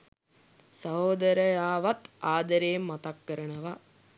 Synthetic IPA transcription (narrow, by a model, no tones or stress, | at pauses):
sɐɦoːd̪ɐɾəjaːʋat̪aːd̪əɾeːmːat̪akːəɾənəʋa